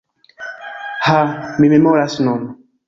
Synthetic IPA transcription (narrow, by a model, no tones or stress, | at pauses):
hamimemɔɾasnɔnɔ